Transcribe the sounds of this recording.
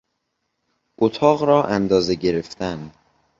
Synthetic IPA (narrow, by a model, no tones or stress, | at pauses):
ʔot̪ʰɒːɣɾɒːʔænd̪ɒːzeɟe̞ɾe̞ft̪ʰænd̪